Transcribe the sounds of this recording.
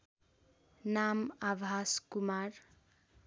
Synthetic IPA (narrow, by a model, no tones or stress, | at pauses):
namabʱaskumar